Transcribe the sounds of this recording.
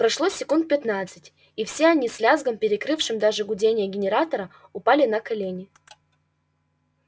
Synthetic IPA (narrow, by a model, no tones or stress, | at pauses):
pɾɐʂlˠosʲɪkunt̪̚pʲɪt̪nat̪sɨtʲ | ifsʲeɐnʲisʲlʲazɡəmpʲɪɾʲɪkɾɨfʂɨmd̪aʐɨɡʊdʲenʲɪjəɡʲɪnʲɪɾat̪əɾə | ʊpalʲɪnɐkɐlʲenʲɪ